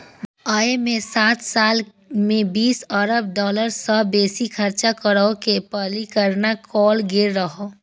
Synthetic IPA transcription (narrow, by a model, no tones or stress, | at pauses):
aːemẽsaːt̪saːl | mẽbiːsəɾəb̚ɖɔːləɾsəbeːsikʰɐɾt͡ʃakəɾəokepəlikəɾnakɔːlɡɪɾːəɦoː